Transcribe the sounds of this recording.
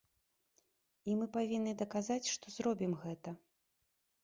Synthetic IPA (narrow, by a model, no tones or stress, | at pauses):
imɨpavʲinːɨd̪ɐkazat͡sʲʂt̪ɔzɾɔbʲimɣɛt̪ɐ